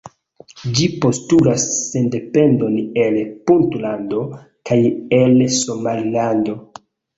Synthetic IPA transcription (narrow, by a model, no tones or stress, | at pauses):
d͡ʒipo̞stulasːe̞nde̞pe̞ndo̞ne̞lpuntlando̞ | kajelsomalilando̞